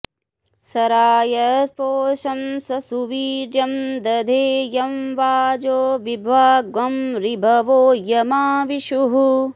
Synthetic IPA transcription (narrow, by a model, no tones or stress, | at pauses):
sɐɾaːjɐspoːʃɐmsɐsuʋiːɾjɐmd̪ɐd̪ʱeːjɐmʋaːd͡ʒoːʋibʱʋaːɡɐmɾibʱɐʋoːjɐmaːʋiʃuɦu